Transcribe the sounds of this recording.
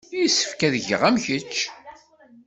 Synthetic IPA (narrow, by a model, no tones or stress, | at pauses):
jisːə̥fkæðəʝə̰ʁæmçət͡ʃː